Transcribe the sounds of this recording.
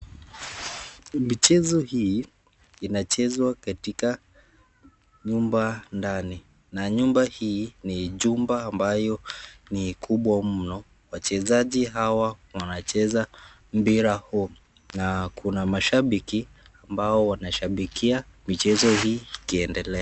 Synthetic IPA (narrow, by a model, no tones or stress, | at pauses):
mit͡ʃɛzɔhiː | inat͡ʃɛzwakatika | ɲumbandani | naɲumbahiːniʄumbaːmbajɔnikʰuɓwamm̩nɔ | wat͡ʃɛzaʄiɦawawanat͡ʃɛza | m̩biɾahu | nakʰunamaʃaɓiki | ambaɔwanaʃaɓikiamit͡ʃɛzɔhiːikiɛndɛlɛa